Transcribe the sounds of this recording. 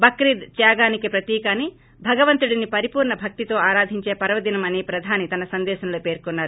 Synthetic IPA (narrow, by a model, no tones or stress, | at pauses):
bɐkɾid̪t͡ʃ̪jaːɡaːnikipɾɐt̪iːkaːni | bʱɐɡɐʋɐnt̪uɽinipɐɾipuːɾɳɐbʱɐk̚t̪it̪o̞ːaːɾaːd̪ʱiɲt͡ʃe̞ːpɐɾɐʋɐd̪inɐmɐnipɾɐd̪ʱaːnit̪ɐnɐsɐnd̪ɛːʃɐnɐloːpe̞ːɾkɔnːaːɾu